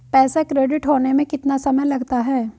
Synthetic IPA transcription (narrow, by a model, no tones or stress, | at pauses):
pɛːsakɾeːɖɪʈɦoːnemẽkɪt̪nasɐməjlɐɡt̪aɦɛː